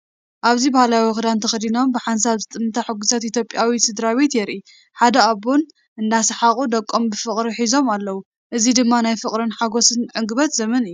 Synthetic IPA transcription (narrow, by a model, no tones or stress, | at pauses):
ʔaβzibahlajawxɨd̪ant̪ʰɐxɨd̪ino̞mbɨħans̬aβzɨt̪ʼɨmɨt̪ʰaħɨɡusat̪it̪ʰjo̞pʼjawisɨd̪ɾaβe̞t̪jɛɾʔi | ħad̪ɐaβon | ʔɨnd̪asɨħakʼud̪ɐkʼːo̞mbɨfɨχʼɾiħizo̞malːɐwu | ʔɨzid̪ɨmːanajfɨkʼɾɨnħaɡo̞sɨnʕɨŋɡɨβɐt̪zɐmɐnɨjːu